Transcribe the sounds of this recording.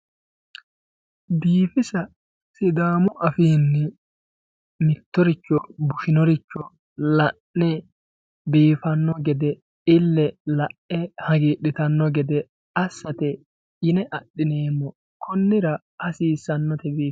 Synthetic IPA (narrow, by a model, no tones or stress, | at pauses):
d̪iːfɪsɐ | sɪd̪aːmɔʔɐfiːnːɛ | mɪt̪ːɔɾɪt͡ʃːɔbʊʃɪnɔɾɪt͡ʃːɔ | lɐʔnɛ | biːfɐnːɔɡɛd̪ɛ | ɪlːɛlɐʔɛhɐɡiːɗɪt̪ɐnːɔɡɛd̪ɛ | ɐsːɐt̪ɛ | ɪnɛʔɐɗːɪneːmːɔ | kʰɔnːɪɾɐ | ɐsiːsːɐnːɔt̪ɛbiːf